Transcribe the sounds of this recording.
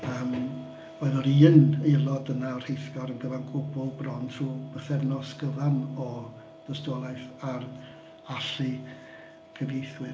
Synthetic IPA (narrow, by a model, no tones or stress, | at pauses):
əːm | oːɨðɔɾiːnelˠɔdənaɔr̥hejθɡ̥ɔɾənɡəvanɡʊbʊlˠbrɔntʰr̥uːb̥əθɛrnɔsɡ̥əvanɔ | d̥əstɔlˠajθar | aɬɨ | kʰəvejθwɨ